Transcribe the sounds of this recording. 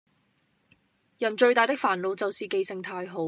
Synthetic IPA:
jɐ˨˩nt͡ʃɵ˧ɥt̪aː˨jt̪ɪ˥kfaː˨˩nlo˨˧wt͡sɐ˨wsiː˨ke˨jsɪ˨ŋt̪ʰaː˧jɦo˨˥w

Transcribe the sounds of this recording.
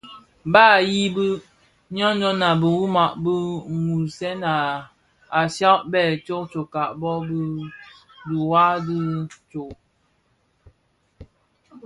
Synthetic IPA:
ba˦˨ji˦bə˦ | ɲɔ˦nd͡ʒɔ˦na˨bə˨wu˦ma˨ʔbə˦ŋu˨sɛ˦na˨ | a˨sa˦ʔbɛ˦˨t͡ʃo˦k̚t͡ʃo˨ka˨ʔbɔ˦bə˦ | du˨wa˦di˦t͡ʃo˨ʔ

